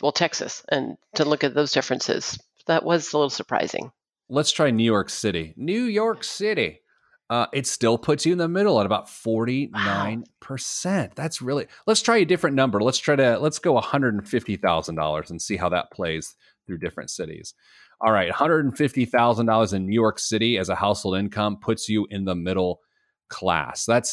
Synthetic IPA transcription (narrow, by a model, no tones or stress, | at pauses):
wɛlˠtʰɛksɨ̰sʔɨ̃ntʰɨlʊkɨt̪̚ðoʊzdɪfɹɨ̃nsɪ̰z̥ | ðəʔwʔʌzəlɪɾl̩ˠsə˞pʰɹ̥a̰ɪzɪ̰̃ŋ | lətstʰɹ̥aɪnjʉjɔɹksɪɾinʉjɔɹksɪɾi | ʌʔɨtstɪlˠpʰʊtsɨ̃nðəmɪɾl̩ˠəɾəbaʊtfɔɹɾinãɪ̃npʰə˞sɛ̃ntðætsɹɪlˠilətstʰɹ̥aɪɨdɪfɹɨ̃nːʌ̃mbə˞lətstʰɹ̥aɪɾɨlətsɡ̥oʊəhʌ̃ndɹəɾn̩fɪftiθaʊzn̩dɔ̰lˠə̰˞zn̩sihaʊðə̰t̚pʰl̥eɪz̥ | θɹʉdɪfɹɨ̰̃ntsɪɾḭz̥ | ʔɔlˠɹaɪt̚hʌ̃ndɹəɾn̩fɪftiθaʊzə̃n̩dɔlˠə˞zɨ̃nːjʉjɔɹksɪɾiɨzəhaʊsholˠdɪ̃nkʰʌ̃mpʰʊtsjɨʔɪ̃nðəmɪɾl̩ˠ | kʰl̥æ̰sðæts